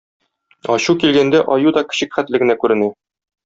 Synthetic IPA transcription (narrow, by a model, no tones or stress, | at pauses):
ɒɕukilɡænd̪æʔɒjud̪ɒkɘ̥̆ɕɘkχæt̪lɘ̆ɡɘ̆nækʉɾɘ̆nɘ